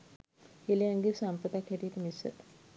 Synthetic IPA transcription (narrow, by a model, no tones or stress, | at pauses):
hilijaŋɡiɾsampət̪akhæʈijeʈəmisə̰